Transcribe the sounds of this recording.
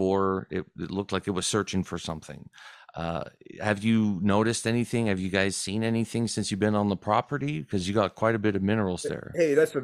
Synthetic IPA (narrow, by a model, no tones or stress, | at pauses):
ə˞ɪ̰t̚ɪ̰tˡlʊk̚tlaɪkɨt̚wʌz̥sɜ˞t͡ʃɪ̃ŋfə˞sʌ̰̃mθɪ̰̃ŋʌ̰hɨvjɨnoʊɾɨstɛniθɪ̃ŋɨvjɨɡaɪz̥sĩnɛniθɪ̃ŋsɪ̃nsjɨbɨ̃nə̃nðəpʰɹ̥ɑpə˞ɾikʰʌzjɨɡɑt̚kʰw̥aɪɾɨbɪɾʌvmɪ̃nə˞l̩ˠzðə̰˞heɪðæts